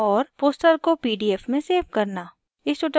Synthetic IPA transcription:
ɔːɾpoːsʈəɾkopiːɖiːɛfmẽseːbkɐɾnaː | ɪsoːʈə

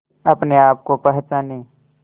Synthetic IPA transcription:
ɐpneaːp̚kopɐɦt͡ʃaːneː

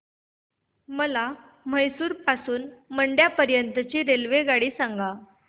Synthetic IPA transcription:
məla | məjsuːɾpasuːnməɳɖjapəɾjənt̪ət͡ɕiːɾelʋeɡaɽiːsãŋɡa

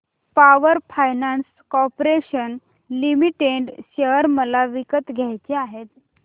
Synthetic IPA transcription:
paʋəɾfʰajnans | kɔpɾeɕən | limiʈeɖɕeəɾməlaʋikət̪ɡʱjajt͡ɕeaɦet̪

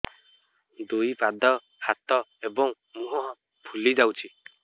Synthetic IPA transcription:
d̪uipad̪ɔ | hat̪ɔebɔŋ | muɦɔɦɔ̃ | pʰulid͡ʒawt͡ʃʰi

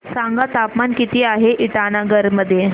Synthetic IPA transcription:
saŋɡat̪apmankit̪iːaɦeʔiʈañaɡəɾməd̪ʱje

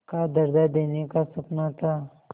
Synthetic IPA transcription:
kad̪ɐɾd̪ad̪eːnekasɐpnat̪ʰa

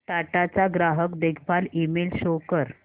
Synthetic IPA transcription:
ʈaʈat͡saɡɾaɦəkd̪ekʰpalimelɕokəɾ

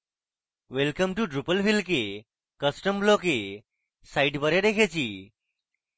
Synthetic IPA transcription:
ʋɛlkəmʈuɖɾupəlfilke | kəsʈəmblɔke | saiʈbəɾed̪ekʰet͡ɕiː

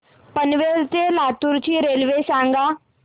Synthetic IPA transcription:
pənʋelt͡selat̪uɾt͡ɕiːɾelʋesãŋɡa

